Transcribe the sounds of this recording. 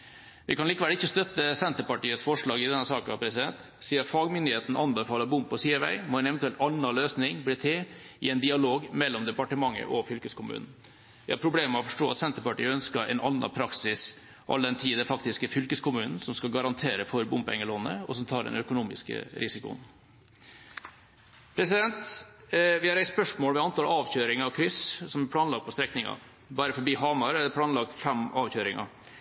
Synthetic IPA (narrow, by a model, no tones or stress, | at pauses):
ʋʔɪkɑnliːkəʋɛləɪçːəst̪œt̪ːəsɛnt̪əpɑʈiːəsfɔʂɭɑːɡɪd̪ɛnːəsɑːkɑpʰɾɛsɪd̪ɛnt̪ | siːəɾfɑːɡmʏnd̪ɪheːt̪n̩ʔɑnbəfɑːləbʊmpːɔsiːɛʋæ̰ɪmɔɛnɛʋɛnt̪ʉɛlt̪ɑnːɑløːsnɪŋbliːt̪ʰeːɪɛɪnd̪ɪɑloːɡmɛlːɔmd̪ɛpɑʈəmɑŋːə̰ʔɔfʏlkəskʊmʉ̰ːnn̩ | ʋæhɑɾpʰɾʊbleːməɔfɔʂʈoːɑt̪sɛnt̪əɾpɑʈḭːəœnskəɛ̰nʔɑnːɑ̰pʰɾɑksɪs | ʔɑ̰ld̪ɛnt̪ʰiːd̪ɛfɑkt̪ɪskəfʏlkəskʰʊmʉːnn̩sɔmskɑɡɑɾɑnt̪ʰeːɾəfɔɾbʊmpɛ̰ŋːəlɔnːə̰ɔsɔmt̪ʰɑːɖɛ̰nœkʊnuːmɪskə̰ɾʔɪsɪkʊ̰n | pʰɾɛsɪd̪ɛnt̪ | ʋɪhɑɾæɪspœʂmoːlʋɛɑnt̪ʰɑlɑːʋçøːɾɪŋɑɔkʰɾʏssɔmæpʰlɑːnlɑɡt̪pɔst̪ɾɛknɪŋɑ̰ | bɑːɾəfɔbiːɦɑːmɑɾɛd̪pʰlɑːnlɑɡ̪̚fɛmɑːʋçøːɾɪŋɑ̰